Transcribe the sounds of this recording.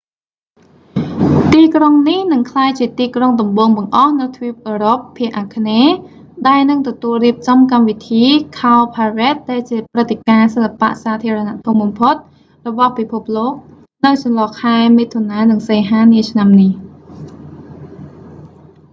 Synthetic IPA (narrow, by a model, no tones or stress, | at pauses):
t̪iːkroŋnihnɨŋkʰlaːjt͡ɕiət̪iːkroŋɗɑmɓoːŋɓɑŋʔɑhnɨwt̪ʰʋip̚ʔəːɾopʰːiəʔaːkʰneː | ɗaɛlnɨŋt̪ɔt̪uəlriəp̚t͡ɕɑmkamʋit̪ʰiːkʰaɔpʰaːrɛt̪̚ɗaɛlt͡ɕiəprɨt̪ʰːekaːsəlːapa̰ʔsaːt̪ʰiəɾɔnaʔt̪ʰumɓɑmpʰot̪̚ | rɔɓɑhpipʰup̚loːk̚ | nɨwt͡ɕɑnlɑːkʰaɛmiːt̪ʰonaːnɨŋseːɦaːniət͡ɕʰnamnih